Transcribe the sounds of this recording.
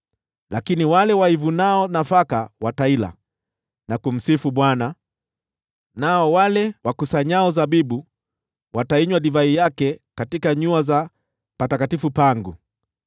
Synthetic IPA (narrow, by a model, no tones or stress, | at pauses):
lakiniwalɛwaivunaɔnafakawataila̰ | nakum̩sifuɓwana | naɔwalɛwakusaɲaɔzaɓiɓu | wataiɲwaɗivaijakɛkatikaɲuaza | patakatifupaŋɡu